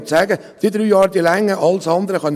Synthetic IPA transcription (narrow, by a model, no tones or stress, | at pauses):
sæːɡə | d̥id̪ɾyːjɑːɾd̪ilæŋːəʔɑlsɑnd̪əɾəχœn